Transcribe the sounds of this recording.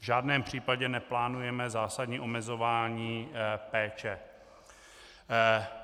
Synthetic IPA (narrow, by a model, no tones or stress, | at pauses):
vʒaːdnɛːmpr̝̥iːpaɟɛnɛplaːnujɛmɛzaːsadɲiːʔo̞mɛzo̞vaːɲiːpɛːt͡ʃɛ